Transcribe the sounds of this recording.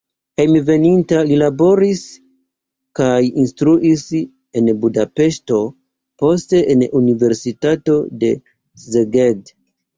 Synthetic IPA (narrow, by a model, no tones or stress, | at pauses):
hejmve̞nintalilabo̞ɾis | kajinstɾuʔis | e̞nbudape̞ʃto̞ | po̞ste̞ʔenunive̞ɾsitato̞de̞ | zeɡed